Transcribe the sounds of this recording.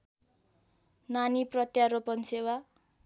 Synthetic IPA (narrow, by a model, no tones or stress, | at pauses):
naniprʌt̪jaɾopʌnsewa